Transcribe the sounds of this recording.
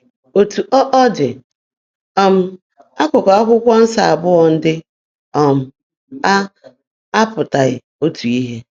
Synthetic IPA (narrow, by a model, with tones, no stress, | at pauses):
o˨tu˨ʔɔ˦ʔɔ˦dɪ˨ | ɔ˦m̩˦ | a˦kʷʊ˨kɔ˨a˦kʷʊ˦kʷɔ˦n̩˦sa˨a˨bʊ˦ɔ˨n̩˦dɪ˦ | ɔ˨m̩˦ | a˦ | a˦pʊ˨ta˨ɣɪ̰˨ | o˦tu˨i˦ɦe˦